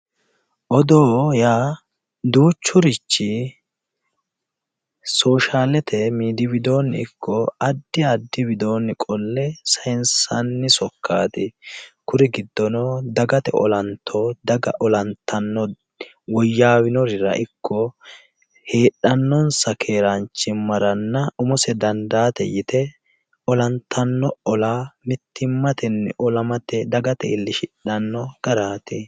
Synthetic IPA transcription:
ʔɔd̪oːjaː | d̪uːt͡ʃːʊɾɪt͡ʃːɪ | so̞ːʃaːlɛt̪ʰɛmiːd̪ɪwɪd̪o̞ːnːɪ̰ɪkʰːɔɐd̪ːɪɐd̪ːɪbɪd̪o̞ːnːɪkʼɔlːɛsɐjnsɐnːɪsɔkːaːd̪ɪkʊɾɪɡɪd̪ːɔnɔd̪ɐɡɐt̪ɛ̰ʔɔ̰lɐnt̪ʰːɔd̪ɐɡɐ̰ʔɔlɐnt̪ːɐnːɔ | wɔjːaːwɪnɔɾɪɾɐ̰ʔɪkʰːɔ | heːɗɐnːɔnsɐkʰeːɾɐnt͡ʃːɪmɐɾɐnːɐʊmɔsɛd̪ɐnd̪aːt̪ɛ̰jɪt̪ɛ | ɔlɐnt̪ʰːɐnːɔɔlaːmɪt̪ʰːɪmːɐt̪ɛnːɛ̰ʔɔlɐmɐt̪ɛd̪ɐɡɐt̪ɛɪlːɪʃɪᶑːɐnːɔɡ̥ɐɾaːt̪ɪ

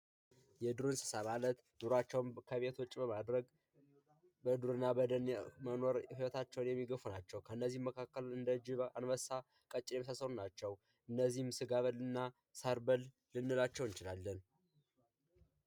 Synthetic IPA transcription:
jɛd̪uɾɨnsə̥samalət̪ | nuɾat͡ʃːɛwkʰəβet̪ʰwɔt͡ʃʼːbəmad̪ɾəɡ | bəd̪uɾɨnːabəd̪ənmənoɾfiwət̪ʰat͡ʃːɛwnjɛmːiɡəfunat͡ʃːɛwkʰəɨnːəzːihməkʰakːəlɨnd̪əd͡ʒɪβanwəsːa | kʼət͡ʃʼːɪlɛməsasəɾunat͡ʃːɛw | ʔɨnːəzːihmsɨɡaβəlɨnːa | saɾbəlː | ɨnːɨlat͡ʃːɛwɨnt͡ʃɪlalːən

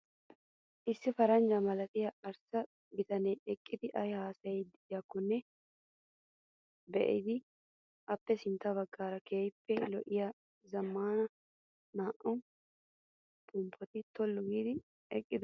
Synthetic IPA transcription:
ʔɪsːɪfɐɾɐnd͡ʒɐmɐlɐt̪ɪjɐɐɾsɐ | bɪt̪ɐnɛːɛkʼːɪd̪ɪʔɐjhaːsɐjɛd̪ɪd̪ɪjɐkːɔnːɛ | bɛʔɪ̰d̪ɪ | ʔɐpːɛsɪnt̪ːɐβɐɡːaːɾɐkeːjpːɛlɔʔɪja | zɐmːaːnɐ | naːʔɔn | pʰʼʊmpʰːɔt̪ɪt̪ɔlːʊɡiːd̪ɪ | ɛkʼːɪd̪ʊ

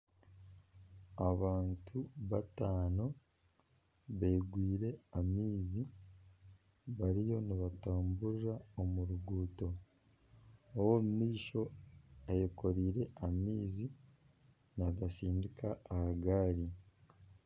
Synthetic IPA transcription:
aβaːntʰuβataːno̞ | βeːɡwiːɾe̞amiːzi | βaɾijo̞niβataːmbuɾiɾaomuɾuɡuːto̞ | owomumiːʃo̞ajoko̞ɾiːɾe̞amiːzi | naɡasiːndikaːhaɡaːɾi

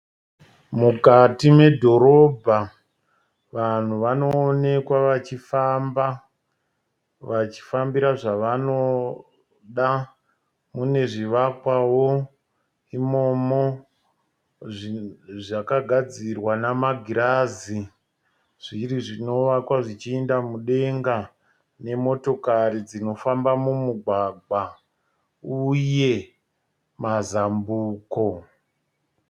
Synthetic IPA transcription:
mukatime̞dʱo̞ɾo̞bʱa | ʋan̤uʋano̞ːne̞kwaʋat͡ʃifamba | ʋat͡ʃi̥fambiɾaʐaʋano̞ | ɗa | mune̞ʐiʋakwawo | imo̞mo | ʐakaɡʱad͡zirwanamaɡʱiɾaːzi | ʐ̥iɾiʐino̞ʋakwaʐit͡ʃiendamuɗe̞ŋɡa | ne̞mo̞to̞kaɾid͡zino̞fambamumuɡʱwaɡʱwa | uje̞ | mazambuːko

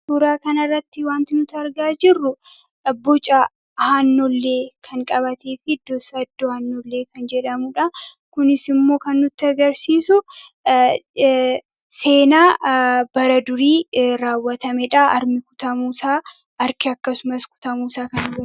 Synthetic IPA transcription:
suːɾaːkɐnɐrːɐt̪ːɪwaːnt̪ɪnʊt̪ɐɾɡaːd͡ʒɪrːʊ | bɔt͡ʃʼɐ | hanːɔlːe̞ːkʰɐŋkʼɐbɐt̪eːfɪd̪ːɔsɐd̪ːɔhɐnːɔlːe̞ːkɐnd͡ʒɛᶑɐmʊᶑɐkʊnɪsɪmːo̞ːkɐnːʊt̪ːɪɐɡɐɾsiːsʊ | se̞ːnaːbɐɾɐd̪ʊɾiːɾaːwːɐt̪ɐmɛᶑɐɐɾmɪkʊ̥t̪ɐmuːsaː | ɐɾkɪɐkːɐsʊmɐskʊ̥t̪ɐmuːsaːkɐnɪɐ

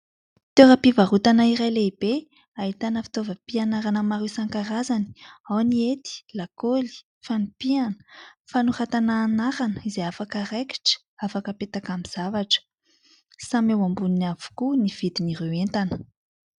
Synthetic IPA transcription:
t̪eɾəpivaɾut̪anaiɾajleibe | ait̪anəfi̥t̪ovəpianaɾanəmaɾusaŋkaɾazani̥awniet̪i̥lakoli̥ | fanipianə̥fanurat̪anaːnaɾanəizeafakəɾeki̥ʈ͡ʂə̥ | afakəpet̪akamiz̥avaʈ͡ʂə̥ | samewambuninavu̥kuniv̥id̪inirewent̪anə̥

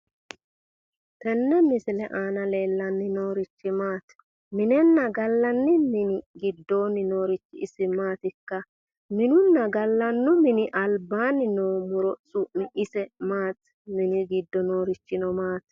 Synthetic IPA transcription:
t̪ɛnːɛmɪsɪlɛʔaːnɐle̞ːlːɐnːɪnoːɾɪt͡ʃːɪmaːt̪ | mɪnɛnːɐɡɐlːɐnːɪmɪnɪɡɪd̪ːo̞ːnːɪno̞ːɾɪt͡ʃːɪɪsɪmaːt̪ɪkːɐ | mɪnʊnːɐɡɐlːɐnːɔmɪnɪʔɐlbaːnɪnoːmʊɾɔsʊʔnɪʔɪsɛmaːt̪ | mɪnɪɡɪd̪ːɔnoːɾɪt͡ʃːɪnɔmaːt̪

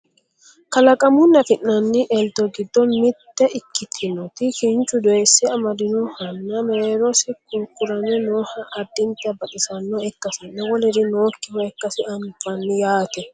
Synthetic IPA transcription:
kɐlɐkʼɐmʊnːɐfɪnːɐnːɪʔɛld̪ɔɡɪd̪ːɔnmɪt̪ːɛʔɪkːɪt̪ʰːɪnɔt̪ɪkɪnt͡ʃʼːʊd̪ɔɛsːɛɐmɐd̪ɪnɔhɐnːɐmeːɾɔsɪkʊɾkʼːʊɾɐnɛnoːhɐʔɐd̪ːɪnt̪ːɐbɐt̪ʼɪsɐnːɔɛkːɐsɪnːɛwɔlɛd̪ɪno̞ːkːɪwɔɛkːɐsɪɐmbɐnːɪjaːt̪ɛ

